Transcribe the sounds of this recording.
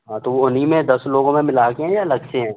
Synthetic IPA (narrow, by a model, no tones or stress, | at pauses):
ɦãːt̪oʋoʊnimẽd̪ɐsloːɡõmẽmɪlaːkeɦɛ̃jalɐɡt͡ʃeɦɛ̃ː